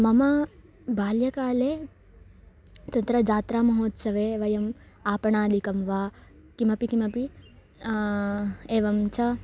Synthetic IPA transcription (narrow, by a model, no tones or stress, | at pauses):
mɐmɐ | bʱaːljɐkaːleː | t͡ʃɐnt̪ɾɐd͡ʒaːt̪ɾaːmɐɦoːt̪sɐʋeːʋɐjɐm | aːpɐɳaːd̪ʱikɐmʋaː | kimɐpikimɐpi | eːʋɐmt͡ʃʰɐ